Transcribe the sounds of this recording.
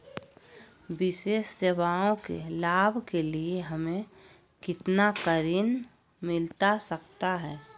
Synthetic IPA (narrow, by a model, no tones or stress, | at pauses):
bɪseːsːeːwaõkḛlaːbʱkelieɦəmẽ | kɪt̪nakəɾiːn | mɪlt̪asəkt̪aɦɛː